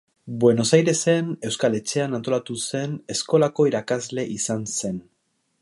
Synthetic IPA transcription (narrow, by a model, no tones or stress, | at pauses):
bwe̞no̞sajɾe̞se̞ne̞wskale̞t͡ʃe̞anant̪o̞lat̪use̞ne̞sko̞lako̞iɾakazle̞ʔisanse̞n